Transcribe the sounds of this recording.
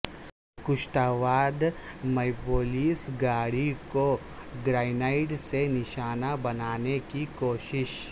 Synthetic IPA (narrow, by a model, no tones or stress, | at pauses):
kʊʃʈaːʋaːd̪mɐɪpoːliːsɡaːɽiko | ɡɾaːɪnaːɪʈsenɪʃaːnabɐnaːnekikoːʃɪʃ